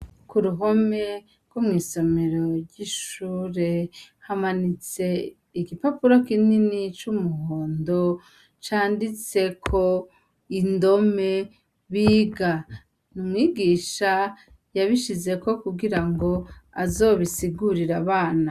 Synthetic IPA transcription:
kuɾuɦo̞me̞ | ɡ̥womŋiːso̞me̞ɾo̞ɾɟiʃuːɾe̞ | hamanit͡se̞ | iɡipapuɾokininit͡ʃumuɦoːndo̞ | t͡ʃaːndit͡se̞kʰo | indo̞me̞ | βiːɡa | numŋiːɡiːʃa | jaβiʃize̞ko̞kuɡiɾaŋɡo̞azo̞βisiɡuɾiɾaβaːna

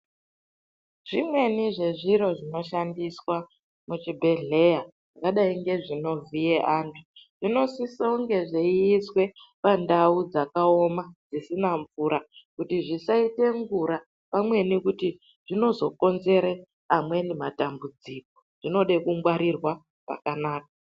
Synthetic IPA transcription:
ʐ̥imwe̞niʐe̞ʐiɾo̞ʐino̞ʃandiswa | mut͡ʃibʱe̞ɮe̞ja | ʐakaɗaiŋɡe̞ʐino̞vijeʔaːntʰu̥ʐ̥ino̞sisauŋɡe̞ʐeiːswe̞pandaud͡zakao̞mad͡zisinaɱvuɾʔakutiʐisaite̞ŋɡuɾa | pamwe̞nikuti | ʐ̥ino̞zo̞ko̞nze̞ɾe | amwe̞nematambud͡ziko̞ʐ̥ino̞ɗekuŋɡwaɾirwa | pa̰kanaːk̚a

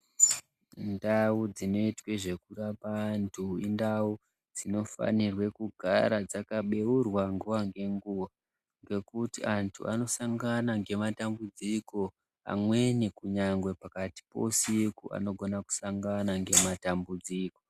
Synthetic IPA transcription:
ndaud͡zino̞itwe̞ʐe̞kurapantʰuindau | d͡zino̞fa̰nirwe̞kuɡʱaɾad͡zakaɓe̞wurwaŋɡuʋaŋɡe̞ŋɡuʋa | ŋɡe̞kutiʔantʰṵʔa̰no̞saŋɡanaŋɡe̞matambud͡ziko̞ | a̰mwe̞nikuɲaŋɡwe̞pakati̥po̞sikua̰no̞ɡʱo̞naku̥saŋɡanaŋɡe̞matambud͡ziːko

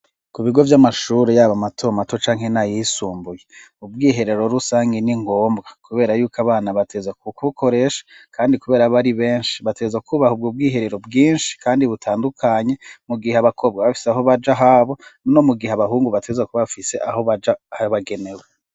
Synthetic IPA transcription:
kuβiɡo̞vjamaʃuːɾejaːβamatʰoːmato̞t͡ʃaːŋhe̞najisuːmbujeubɡiːɦe̞ɾe̞ɾo̞ɾusaːŋɡeniŋɡo̞ːmbɡakuβe̞ːɾajuːkaβaːnaβatʰeːzakukuβukʰo̞ɾe̞ʃḁkʰaːndikuβe̞ːɾaβaɾiβe̞ːnʃi̥βate̞zakʰuβahub̚ɡub̚ɡiːɦe̞ɾe̞ɾo̞bɡiːnʃi̥kʰaːndiβutʰaːndukʰaɲe̞muɡihaβakʰo̞b̚ɡaβafi̥seaɦo̞βad͡ʒaɦaβo̞nno̞muɡiheaβaɦuːŋɡuβatʰezakuβafise̞ʔaho̞βad͡ʒahaβaɡe̞ne̞we

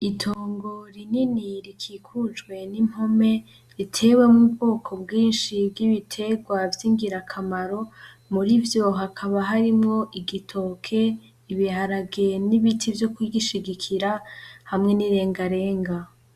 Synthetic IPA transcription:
itʰoːŋɡo̞ɾininiɾikʰiːkʰud͡ʒɡwe̞nim̥ho̞me̞ | ɾitʰe̞we̞mubɡo̞ːkʰo̞bɡiːnʃibɡiβitʰe̞ɡwavjiŋɡiɾakʰamaɾo̞ | muɾivjo̞ɦakʰaβaɦaɾimŋo̞ʔiɡitʰo̞kʰe̞ | iβihaɾaɡeniβitʰivjo̞kwiɡiʃiɡikʰiɾahamŋe̞niɾe̞ːŋɡaɾe̞ːŋɡa

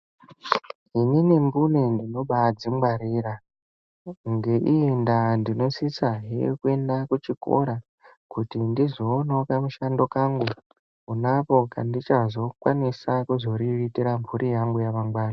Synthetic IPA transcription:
ininimbunendino̞ɓad͡ziŋɡwaɾiːɾa | ŋɡeʔijendandino̞sisaɦḛkuendakut͡ʃiko̞̰ɾa | kutindizoːno̞kamuʃando̞kaŋɡu | unapo̞kandit͡ʃazo̞kwanisakuzo̞ɾiritiɾamvuɾʔijaŋɡujaʋaŋɡwaːna

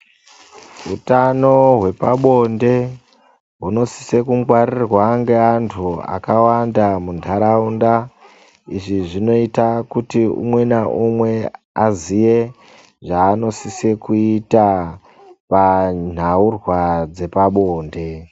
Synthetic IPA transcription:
ɦutano̞ɦwe̞paɓo̞nde̞ | ɦuno̞si̥sekuŋɡwaɾirwaŋɡe̞antʰua̰kawandamundʱaɾaunda | iʐiʐino̞itakutiṵmwe̞naʔumwe̞ | azije̞ | ʐaːno̞sisekuita | pan̤aurwad͡ze̞paɓo̞ːnde̞

